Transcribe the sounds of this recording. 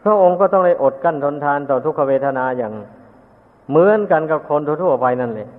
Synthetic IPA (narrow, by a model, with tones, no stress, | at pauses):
pʰɾa˧˥˩ʔo˧ŋkɔː˥˩t̪ɔ˥˩ŋda˥˩jʔo˨˩t̪̚ka˧˥˩nt̪ʰo˧nt̪ʰaː˧nt̪ɔː˨˩t̪ʰu˥˩k̚pʰːa˧weː˧t̪ʰa˧naː˧jaː˨˩ŋ | mɯ˧˥ə˨nka˧nka˧˩kʰo˧nt̪ʰu˧˩t̪ʰu˥˩ɐpa˧jna˥˩nle˧˩˨